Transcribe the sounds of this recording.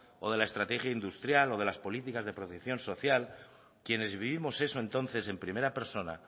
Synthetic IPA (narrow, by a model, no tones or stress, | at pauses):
o̞ð̞e̞lae̞st̪ɾat̪e̞xjaind̪ust̪ɾjalo̞ðe̞laspo̞lit̪ikazðe̞pɾo̞t̪ekθjo̞nso̞θjal | kje̞ne̞zβiβ̞imo̞se̞so̞e̞nt̪o̞nθe̞se̞mpɾime̞ɾape̞ɾso̞na̰